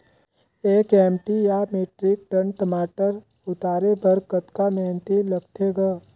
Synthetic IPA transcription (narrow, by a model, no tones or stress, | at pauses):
eːkɛːmʈijameːʈɾɪk̚ʈənʈəmaːʈəɾ | ʊt̪aːɾebəɾkət̪kamɛːnt̪iləɡt̪ʰeɡə